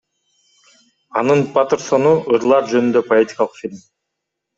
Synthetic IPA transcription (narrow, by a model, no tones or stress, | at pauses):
ɑnɯnpat̪eɾso̞nuʔɯɾlˠɑɾd͡ʒø̞nynd̪ø̞po̞etʲi̥kɑlˠɯqfʲilʲm